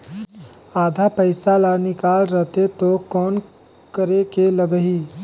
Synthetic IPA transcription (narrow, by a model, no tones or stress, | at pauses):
aːd̪ʱapəɪsalanɪkaːlɾəɦt̪et̪okɔːn | kəɾekeləɡəɦiː